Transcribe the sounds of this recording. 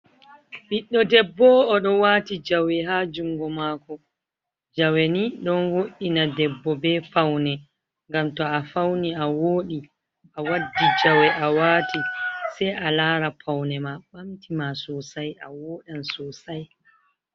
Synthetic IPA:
ɓiɗːɔdɛbːɔːɗɔwaːtid͡ʒawɛɦaːd͡ʒuŋɡɔmaːkɔ | d͡ʒaweniɗɔnwoʔinadɛbːɔbɛfawnɛ | ŋɡamtɔafawniawoːɗi | ʔawadːid͡ʒawɛʔawaːtisɛjʔalaːɾapʰawnɛmaɓamtimasɔsajawoːɗansɔsaj

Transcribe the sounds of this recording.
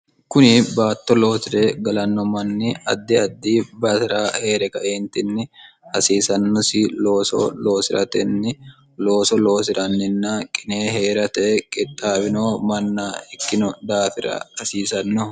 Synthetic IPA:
kʊnɪbaːt̪ːɔlo̞ːsɪɾeːɡɐlɐnːɔmɐnːɪɐ̰d̪ːɪɐd̪ːiːbɐt̪ɪɾaːhe̞ːɾɛkɐʔeːnt̪ɪnːɪ | hɐsiːsɐnːɔsilo̞ːsɔ̰lo̞ːsɪɾɐ̰t̪ɛnːɪ | loːsɔlo̞ːsɪɾɐnːɪnːakʼɪneːheːɾɐt̪ɛkʼɪt̪ʼːaːbɪno̞ːmɐnːaːɪkːɪnɔd̪aːfɪɾɐ̰hɐsiːsɐnːɔ

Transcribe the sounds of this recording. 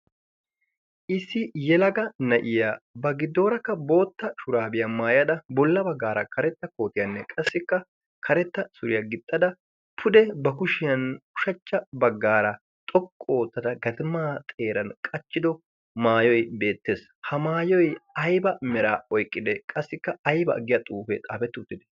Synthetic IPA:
ʔɪsːɪjɛlɐɡɐnɐʔɪjaːbɐɡɪd̪ːo̞ːɾɐkːɐbo̞ːt̪ːɐʃʊɾaːbɪjɐmaːjɐd̪ɐbɔlːɐbɐɡːaːɾɐkɐɾɛt̪ːɐko̞ːt̪ɪjɐnːɛkʼɐsːɪkːɐ | kʰɐɾɛt̪ːɐsʊɾɪjɐɡɪt̪ʼːɐd̪ɐ | pʰʊd̪ɛbɐkʊʃɪjɐnkʊ̥ʃɐt͡ʃːɐbɐɡːaːɾɐ | t̪ʼɔkʼːo̞ːt̪ːɐd̪ɐɡɐd̪maːt̪ʼe̞ːɾɐnkʼɐt͡ʃːɪd̪ɔ | maːjɔjbe̞ːt̪ːeːs | hɐmaːjɔjɐjbɐmɛɾaːɔjkʼːɪd̪ɛkʼɐsːɪkːɐɐjbɐ̰ʔːɡɪjɐt̪ʼuːfɛt̪ʼa̰ːfɛt̪ːʊt̪ːɪd̪ɛ̥

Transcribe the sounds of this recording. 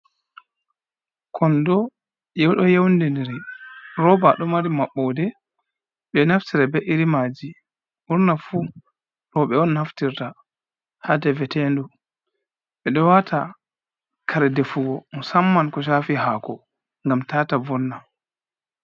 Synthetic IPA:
kʰɔndɔ | jɛwɗɔjewndindiɾiɾɔbaɗɔmaɾimaɓːɔdɛ | ɓɛnaftiɾabɛʔiɾimad͡ʒi | ʔuɾnafu | ɾɔɓɛɔnːaftiɾta | hadɛvɛtɛndu | ɓɛɗɔwatʰa | kʰaɾɛdɛfuɡɔmɔsamːankɔʃ̬aːfiɦaːkɔ | ŋɡamtatavɔnːa

